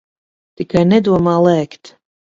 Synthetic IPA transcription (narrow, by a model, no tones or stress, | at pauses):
t̪ikajnɛd̪uɔmaːlˠɛːkt̪